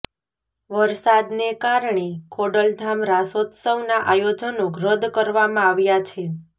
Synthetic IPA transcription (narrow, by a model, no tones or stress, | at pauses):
ʋəɾsad̪nekaɾɳekʰoɽəld̪ʱamɾasot̪səʋnaʔajod͡ʒənokɾəd̪kəɾʋamãaʋjat͡ʃʰe